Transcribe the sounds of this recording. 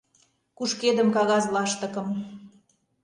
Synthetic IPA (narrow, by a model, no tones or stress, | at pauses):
kuʃked̪əmkɑɣɑzlɑʃt̪ə̆kɤ̆m